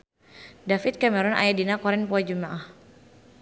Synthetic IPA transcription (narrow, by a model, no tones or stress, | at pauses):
dafit̪̚kamɛɾɔna̰jadinakɔɾɛnpɔad͡ʒumaʔah